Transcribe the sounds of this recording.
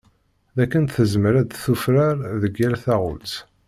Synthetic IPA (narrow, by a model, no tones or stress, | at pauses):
ðækːənθəzmɾæd̪θufɾaɾðəɡːælθæʁʊ̰lt͡s